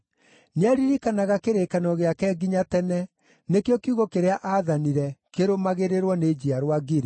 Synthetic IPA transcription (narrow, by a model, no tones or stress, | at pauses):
neaɾiɾikanaɣakeɾekanɔɣeakɛɡiɲatɛnɛ | nekjɔkiuɣɔkeɾeaʔaðaniɾɛkeɾomaɣeɾeɾwɔned͡ʑiaɾowaɡiɾe